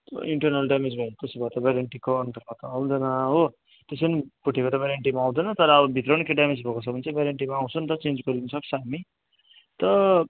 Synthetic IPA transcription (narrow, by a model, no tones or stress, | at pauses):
t̪ʌ̰iɳʈʌrnʌlɖamed͡zbʱʌjt̪esibʱʌt̪ʌbaɾeɳʈikoːnt̪ʌrbʌt̪aw̃d̪ʌnʌɦo | t̪esʌnipuʈʰːekot̪ʌbʱaɾeɳʈimaːw̃d̪ʌnʌt̪ʌɾʌːbʌbʱit̪rʌnkeɖamed͡zbʱʌkosʰʌbʌnt͡sʰʌbʱaɾeɳʈimaːw̃t͡sʰʌnt̪ʌt͡send͡zɡʌɾid̪inʌsʌkt͡sʰʌami | t̪ʌ